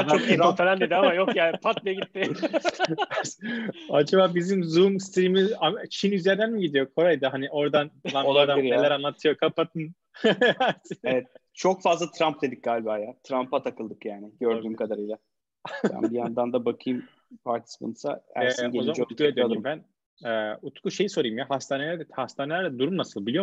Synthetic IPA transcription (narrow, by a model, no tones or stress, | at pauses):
ok̪iɾanfenʲalʲd̪ed̪iamajokjaːnpʰat̪̚beeɟit̪ːɪ | ad͡ʒabaːbizimzumst̪ʰɾimizat͡ʃʰinyzjæɾd̪ænmiɟid̪ijo̞kʰo̞ɾajd̪ɯɦaniʔo̞ɾd̪anlamolˠaɾd̪aiɾelʲæɾanlˠat̪ʰɯjo̞kʰapat̪ʰɯn | asevɛt̪̚ | t͡ʃʰokfazlˠat̪ʰɾamp̚d̪ed̪ic̚ɡ̥aːlʲibaːjat̪ʰɾampat̪ʰakʰɯlˠd̪ɯkjaːnɪɟøɾyːmkʰad̪aɾɯjlˠa | b̪æ̰nbijand̪and̪abakʰɯjɯm | pʰaɾt̪ʰi̥sbo̰nusa̰æ̰ɾɛeozamaut̪kued̪iumbæn | ɛut̪kuʃe̞jiso̞ɾajɯmjahast̪ʰaːnelʲæɾd̪hast̪aːnelʲæɾd̪ɛd̪uɾumnasɯlˠbilʲijo̞